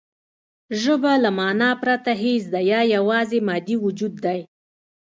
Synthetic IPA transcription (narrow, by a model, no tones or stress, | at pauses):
ʒəbalamɑnɑpɾat̪aɦes̬d̪ajɑjawɑzemɑd̪iwʊd͡ʒud̪ːaj